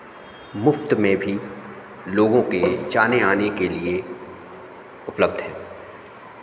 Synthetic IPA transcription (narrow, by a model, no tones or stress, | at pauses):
mʊft̪mẽbʱi | loːɡõked͡ʒaːneaːnekelie | ʊpləb̚d̪ʱɦɛ̃ː